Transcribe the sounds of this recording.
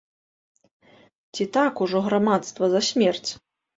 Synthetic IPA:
t͡sʲit̪akuʐɔɣɾamat̪st̪vɐzɐsʲmʲɛrt͡sʲ

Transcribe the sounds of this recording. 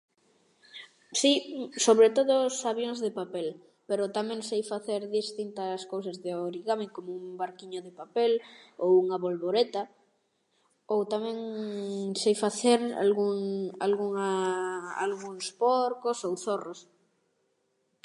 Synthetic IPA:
sisoβɾet̪oðosaβjoŋzðepapel | peɾot̪amẽŋsejfaθeɾðist̪int̪ɐskowsazðeoɾiɣameŋkomoumbaɾkiɲoðepapelowuŋɐβolβoɾet̪a | owt̪amɛ̃ŋ | sejfaθeɾa̰lɣuŋa̰lɣuŋa | a̰lɣuŋspoɾkosowθoros

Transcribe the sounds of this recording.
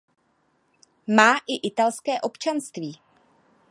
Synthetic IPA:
maːʔɪʔɪt̪alskɛːʔo̞pt͡ʃanst̪viː

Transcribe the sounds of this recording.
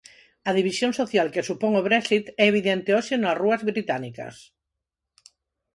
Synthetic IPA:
ɐð̞iβisjoŋsoθjalkesupoŋoβɾɛksit̪ɛeβ̞iðɛnt̪eoʃenɐsruɐzβɾit̪anikɐ̰s

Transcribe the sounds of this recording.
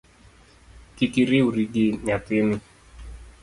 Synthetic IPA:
kikiɾiuɾiɡiɲat̪ini

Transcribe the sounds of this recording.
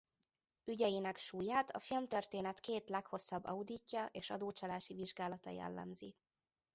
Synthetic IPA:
yɟɛjinɛkʃuːjaːt̪ʰɒ̰filmt̪ørt̪eːnɛt̪keːt̪lɛkho̞sːɒbːɒ̰ud̪icːɒʔeːʃɒ̰d̪oːt͡ʃɒlaːʃiviʒɡaːlɒt̪ɒjɛ̰lːɛ̰mzḭ

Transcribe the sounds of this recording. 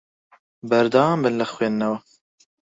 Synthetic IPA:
bɐɾd̪ɑːmbɨnlɐxweːnːɐwɐ

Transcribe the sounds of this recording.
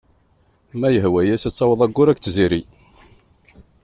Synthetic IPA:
mæjəɦwæjæsæt͡sːɑwəðˤæɡːʊɾækt͡sːziɾi

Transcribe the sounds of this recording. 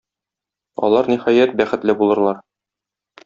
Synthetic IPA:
ɒ̰lˠɑɾnihɒjæt̪̚bæχɘ̆t̪lɘbulˠɤ̆ɾlˠɑɾ

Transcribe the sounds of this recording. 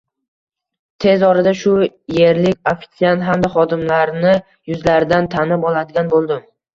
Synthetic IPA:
t̪ʰe̞zɒɾad̪aʃʊje̞ɾlɪkʲofɪ̥t̪sijant̪ɦamd̪aχɒd̪ɪmlaɾnɪ | jʊzlaɾd̪ant̪ʰanɪpɒlˠad̪ɪɡʲanbolˠd̪ɪm

